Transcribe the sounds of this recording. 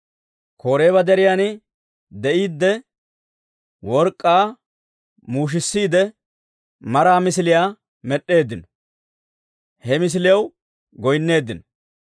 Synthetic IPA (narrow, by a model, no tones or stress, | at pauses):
kʰo̞ːɾe̞ːβɐd̪ɛɾɪjaːnɪ | d̪ɛʔiːd̪ːɛ | wɔɾkʼːaː | muːʃ̬ɪsːiːd̪ɛ | mɐɾaːmɪsɪlɪjaː | mɛɗːe̞ːd̪ːɪnɔ | hɛmɪs̬ɪlɪjɐw | ɡɔjnːe̞ːd̪ːɪnɔ